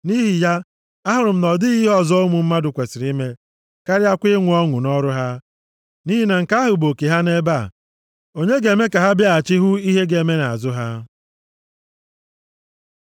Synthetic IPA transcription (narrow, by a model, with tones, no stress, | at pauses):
ni˦ɦi˨ja˦ | a˦ɦʊ˨ɾʊ˨m̩˨nɔ˨dɪ˦ɣi˦ɦɔ˦zo˦mu˨m̩˦ma˦dʊ˨kʷe˨sɪ˨ɾi˦me˦ | ka˦ɾja˦kʷɪ˦ŋʷʊ˨˦ɔ˦ŋʊ˨nɔ˦ɾʊ˦ɦa˦ | ni˦ɦi˦na˨ŋ̩˨ka˦a˦ɦʊ˨bo˨ke˨ɦa˦ne˦ba˦˨ | o˦ɲe˦ɡe˨me˦ka˨ɦa˦bja˦a˨t͡ʃɪ˦ɦʊ˦i˦ɦe˦ɡe˨me˦na˨a˨zʊ˦ɦa˦